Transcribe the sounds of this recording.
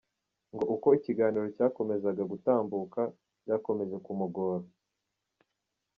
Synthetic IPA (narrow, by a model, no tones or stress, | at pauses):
ŋɡo̞ʔuko̞iciɡaːniɾo̞caːko̞me̞zaɡaɡutaːmbuːka | ɟako̞me̞zekumuɡo̞ːɾo